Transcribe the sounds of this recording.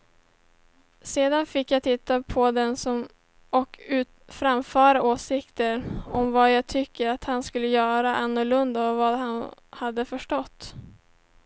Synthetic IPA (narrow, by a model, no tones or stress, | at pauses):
seːd̪anfɪkːjat̪ʰɪt̪ːapʰɔd̪ɛnsɔm | ɔkʉ̟ːt̪fɾamfœːɾaʔoːsɪkt̪əɾɔmvɑjaɡt̪ʰʏkːəɾat̪hanskɵlːəjœːɾaʔanːʊɭɵnd̪aɔvad̪hanhad̪ːəfœʂʈɔt̪ː